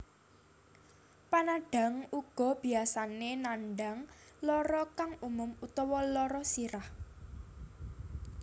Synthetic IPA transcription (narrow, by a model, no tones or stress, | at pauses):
panaɖ̥a̤ŋuɡ̥ɔ̤b̥i̤asanenanɖa̤ŋlɔɾɔkaŋumʊmut̪ɔwɔlɔɾɔsiɾah